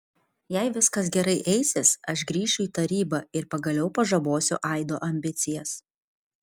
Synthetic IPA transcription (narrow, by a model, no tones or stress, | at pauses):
jɛɪʋʲɪskɐs̬ɡʲɛɾɐɪʔɛɪsʲɪsɐʃɡɾʲiːʃʲʊiːt̪ɐɾʲiːbɐɪɾpɐɡɐlʲɛʊpɐʒɐboːsʲʊ̰ʔɑˑɪd̪o̰ːʔɐmʲbʲɪt̪sʲɪjɛs